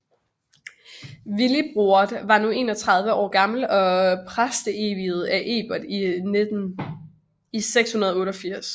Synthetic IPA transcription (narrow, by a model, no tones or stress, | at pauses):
ʋilib̥ʁuɐd̥ʋɑ̈nue̝̰ːnɒ̽t͡sʰʁɑ̈ð̞ˠʋəɒ̰ːɡ̥ɑ̈ml̩ɒ̽pʰʁasd̥əeːʋið̞̩ˠæʔe̝̰ːb̥ɐd̥ined̥n | iseɡ̥shunɐð̞ˠɔ̽ːɾɒ̽fiɐ̰s